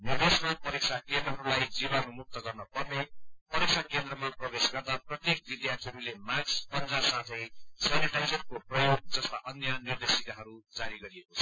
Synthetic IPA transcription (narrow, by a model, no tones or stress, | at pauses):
nird̪esʌlpʌɾik̚sʰakend̪rʌɦʌɾulajd͡zibʌnumuk̚t̪ʌɡʌrnʌpʌrnepʌɾik̚sʰakend̪rʌmaprʌbesɡʌt̪aprʌt̪jek̚b̪id̪jat̪ʰiɾulemakspʌnd͡zasat̪ʰʌjsaneʈajd͡zʌr̚koprʌjoɡ̚d͡zʌst̪aʔʌnjʌnird̪esik̪aɦʌɾud͡zaɾiɡʌɾiekot͡sʰʌ̥